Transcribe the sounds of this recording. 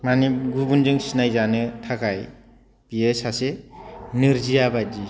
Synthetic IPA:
maniɡubunzɯŋsinajzanɯtʰakʰaj | pijesasenɯɾzijabad͡ʒi

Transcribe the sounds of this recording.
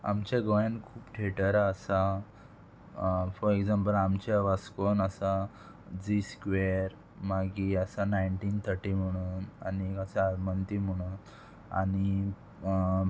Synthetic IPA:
a̰mt͡ɕaɡɔjankʰuːpʈʰeʈəɾaəsa | fɔɾeɡd͡zãmpəlamt͡ɕaʋaskonəsa | d͡ziskʋeɾ | maɡiəsanajɳʈiːnt̪ʰəɾʈiːm̤əɽ̃uːna̰niəsaaɾmənt̪im̤əɽ̃uːn | a̰ni

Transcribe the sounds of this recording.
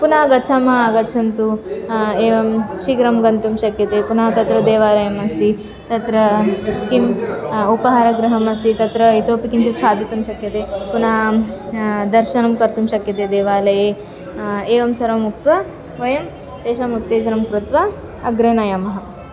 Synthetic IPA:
punaːɡɐt̪ːt͡ʃʰaːmɐɦɐɐɡɐt̪ːt͡ʃʰɐnt̪u | eːʋɐmʃiɡɾɐmɡɐnt̪umʃɐkjɐt̪eːpunaːt̪ɐt̪ɾɐd̪eːʋaːlɐjɐmɐst̪i | t̪ɐt̪ɾɐkimupɐɦaːɾɐɡɾɐɦɐmɐst̪it̪ɐt̪ɾɐit̪oːpikimt͡ʃʰit̪̚kʰaːd̪it̪umʃɐkjɐt̪eːpunaː | d̪ɐɾʃɐnɐmkɐɾt̪umʃɐkjɐt̪eːd̪eːʋaːlɐjeː | eːʋɐmsɐɾɐmuk̚t̪ʋɐ | ʋɐjɐm | t̪eːʃɐmut̪ːeːt͡ʃɐɾɐmkɾut̪ʋɐː | ɡɾɐnɐjɐmɐɦɐ

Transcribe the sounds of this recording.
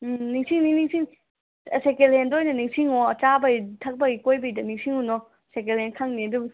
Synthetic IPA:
niŋsiŋniniŋsiŋ | sekelhendojnɐniŋsiŋɔɐt͡ʃabɐjtʰɐk̚bɐɡikojbɐjdɐniŋsiŋunɔ | sekelhenkʰaŋniɐdub

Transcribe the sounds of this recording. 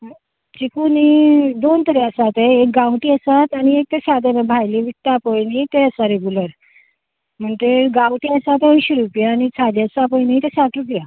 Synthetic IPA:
t͡ɕikunid̪ont̪əɾɛəsat̪eek̚ɡãwʈiəsat̪añiek̚t̪eɕat̪emə̃bʱajliʋit̪ːapojnit̪eəsaɾeɡuləɾ | m̤əɳt̪eɡãwʈiəsat̪ojɕiɾupjaːnit͡sʰad̪eəsapojnit̪eɕat̪ɾupja

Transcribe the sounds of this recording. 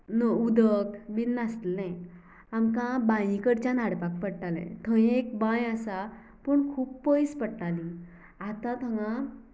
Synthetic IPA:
nəud̪əkbinːast̪lnɛ̃ | amkãbãjĩkəɽt͡ɕanaɽpak̚pəɽʈalɛ̰̃t̪ʰə̃jẽekbãjasa | pəɳkʰuːppəjspəɽʈali | at̪ãt̪ʰəŋã

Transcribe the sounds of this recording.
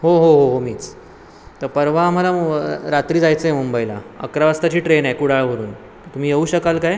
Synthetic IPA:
ɦoɦoɦoɦomiːt͡s | t̪əɾpəɾʋaːm̤alaɾat̪ɾiːd͡zajt͡səɦemumbəjila̰ə̰kɾaʋast̪at͡ɕiːʈɾenajkuɽ̤aɭʋ̤ʱəɾṵːn | ət̪um̤iːjeuːɕəkalkaj

